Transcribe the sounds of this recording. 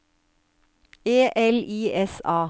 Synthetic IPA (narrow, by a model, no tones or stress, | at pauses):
eːʔɛliːɛsɑː